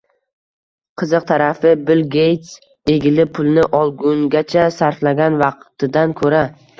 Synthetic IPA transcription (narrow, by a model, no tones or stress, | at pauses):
qʰɨzɨq̚t̪ʰaɾafɪbɪlɡʲejt̪s | e̞ɡʲɪlɪpʰʊlˠnɪʔɒlˠɡʊŋɡʲat͡ʃʰasaɾflaɡʲanvɑqt̪ʰɪd̪ankʰɵɾa